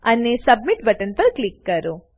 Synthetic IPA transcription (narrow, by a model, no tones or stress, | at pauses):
anesɐbmiʈbɐʈənpəɾklikːəɾo